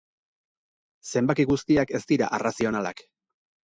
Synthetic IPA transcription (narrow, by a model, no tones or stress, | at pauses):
se̞mbakiɣust̪iake̞st̪iɾa̰ʔerasio̞nala̰k